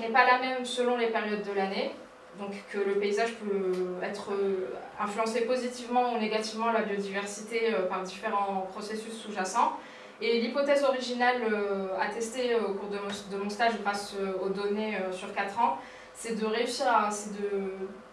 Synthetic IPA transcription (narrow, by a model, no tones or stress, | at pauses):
nɛpalamɛmsəlɔ̃lepeʁjɔd̪ːəlane | d̪ɔ̃kkʰːələpeizaʒpøɛt̪χə | ɛ̃flyɑ̃sepozit̪ivmɑ̃neɡat̪ivmɑ̃labjod̪ivɛʁsit̪eøpaʁd̪ifeʁɑ̃pχɔsesysːuʒasɑ̃ | elipɔt̪ɛzɔʁiʒinaløat̪ɛst̪eokuʁd̪əmɔ̃d̪əmɔ̃st̪aʒʁasøod̪ɔneøsyʁkat̪χɑ̃ | sɛd̪əʁeysiʁasɛd̪ə